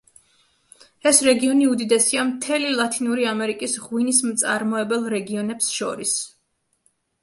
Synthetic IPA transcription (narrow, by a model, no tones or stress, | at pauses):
ɛsɾɛɡiɔniud̪id̪ɛsiamt̪ʰɛlilˠat̪ʰʼinuɾiamɛɾikʼisʁwinismt̪sʼaɾmɔɛbɛlˠɾɛɡiɔnɛpsʃɔ̰ɾis